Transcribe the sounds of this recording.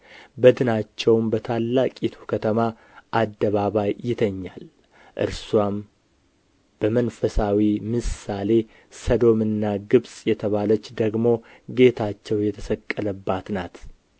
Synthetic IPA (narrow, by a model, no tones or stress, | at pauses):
bəd̪ɨnat͡ʃːɛwmbət̪ʰalːakʼit̪ʰukʰət̪ʰəma | ʔad̪ːəβaβajːɪt̪ʰəɲːal | ʔɨ̰ɾswam | b̥əmənfəsawimɨsale̞ | səd̪o̞mɨnːaɡɨβsʼjɛt̪ʰəβalət͡ʃːd̪əɡmo̞ɡe̞t̪ʰat͡ʃːɛwjɛt̪ʰəsəkʼːələbːat̪nat̪